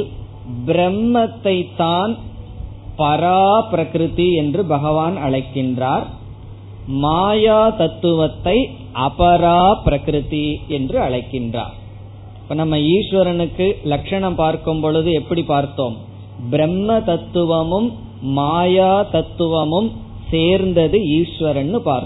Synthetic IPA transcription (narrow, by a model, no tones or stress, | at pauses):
bɪɾɛmːɐt̪ːɐɪt̪ːaːn | pɐɾaːpɪɾɐkɾɯt̪iɛndrɯbɐɣɐʋaːnɐɭɐɪkːɪndraːɾ | maːjaːt̪ɐt̪ːɯʋɐt̪ːɐɪ | ʔɐpɐɾaːpɾɐkɾɯt̪iɛndrɯɐɭɐɪkːɪndra̰ːɾ | pːɐnɐmːɐiːʂʋɐɾɐnɯkːɯlɐkʂɐɳɐmpaːɾkɯmpɔɭɯðɯɛpːɐɽipaːɾt̪oːm | bɪɾɛmːɐt̪ɐt̪ːɯʋɐmɯmː | aːjaːt̪ɐt̪ːɯʋɐmɯm | seːɾnd̪ɐðɯiːʂʋɐɾɐnːɯpaːɾk